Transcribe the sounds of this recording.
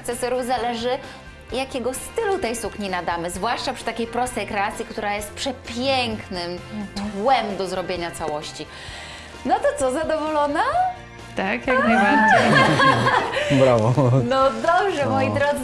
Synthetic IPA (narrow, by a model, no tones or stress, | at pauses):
kt̪sɛsɔɾuvzalɛʐɘ | jakʲɛɡɔst̪ɘlut̪ɛjsukɲinad̪amɘzvwaʂt͡ʂapʂɘt̪akʲejpɾɔst̪ɛjkɾɛat̪sʲjikt̪uɾajɛst̪̚pʂɛpʲjɛŋknɘmt̪wɛmd̪ɔzɾɔbʲjeɲat̪sawɔɕt͡ɕi | nɔt̪ɔt̪sɔzad̪ɔvɔlɔna | t̪akjaknajbaɾd͡ʑej | bɾawɔnɔd̪ɔbʐɛmɔjid̪ɾɔd̪z